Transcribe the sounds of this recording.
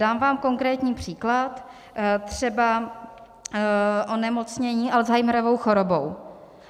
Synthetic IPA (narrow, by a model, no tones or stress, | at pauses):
aːmvaːmko̞ŋkɾɛːt̪ɲiːpr̝̥iːklat̪ | t̪r̝̥ɛba | ʔonɛmot͡sɲɛɲiːʔalzɦajmɾovo̞wxoɾobow